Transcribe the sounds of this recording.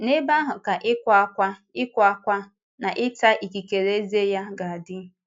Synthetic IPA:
ne˦ba˦ɦʊ˨ka˨ʔɪ˦kʷkʷa˦ɪ˦kʷa˦kʷa˦ | na˨ʔɪ˦ta˦ʔi˨ki˨ke˨ɾe˦ze˦ja˦ɡa˨a˨dɪ˦

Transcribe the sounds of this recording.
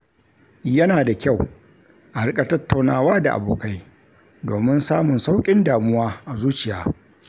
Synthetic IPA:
jɐ˦naː˨da˨kʲa˦˨w | ʔa˨ɽɪ˦kʼa˨tɐ˦tːa˨wnaː˦˨waː˦da̰˨ʔa̰˨boː˨ka˦j | doː˨mɪ˦nsaː˦mʊ˨nsa˦wkʲʼɪ˦ndaː˨mʊ˦waː˦ʔa˨zuː˦t͡ʃɪ˨jaː˦

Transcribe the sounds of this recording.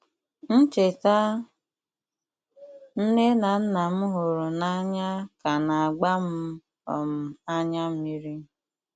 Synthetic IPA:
n̩˦t͡ʃe˨ta˦ | n̩˦ne˦na˨n̩˦na˨m̩˦ɦʊ˨ɾʊ˨na˦ɲa˦ka˨na˨a˨ɡ͡ba˦m̩˦ | ɔ̰˨m̩˨a˦ɲa˦m̩˦i˦ɾi˦

